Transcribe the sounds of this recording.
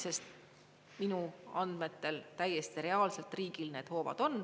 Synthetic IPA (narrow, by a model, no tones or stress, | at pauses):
se̞st̪ | minuɑnd̪̥me̞t̪ːe̞lt̪æjːe̞st̪iɾe̞ɑːlse̞lt̪ˑriːɡilne̞ːd̪ho̞ːvɑ̰d̪̥o̞n